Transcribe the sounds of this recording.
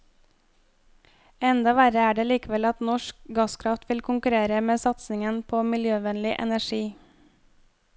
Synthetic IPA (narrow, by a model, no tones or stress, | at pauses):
ɛnd̪ɑʋæɾəæːɖeːliːkʋɛlɑt̪nɔʃkɡɑskʰɾɑft̪ʋɪlkʰʊŋkʉɾeːɾəmeːsɑt̪snɪŋənpʰoːmɪljøːʋɛnlɪʔɛ̰næʃiː